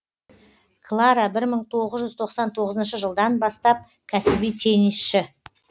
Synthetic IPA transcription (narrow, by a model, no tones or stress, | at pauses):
kʰlˠɑɾɑbɪɾməɴt̪ʰo̞ʁəzʒʏzt̪ʰo̞qsɑnt̪ʰo̞ʁəzənʃəʒəlˠd̪ɑnbɑst̪ɑp̚ | kʲʰæsɪbijt̪ʰe̞nisʃɪ